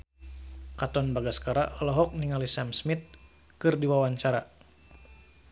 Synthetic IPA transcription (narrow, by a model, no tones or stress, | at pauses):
kat̪ɔnbaɡaskaɾa̰ʔɔlɔɦɔk̚niŋalisamsmit̪̚ | kɨrdiwawaɲt͡ʃaɾa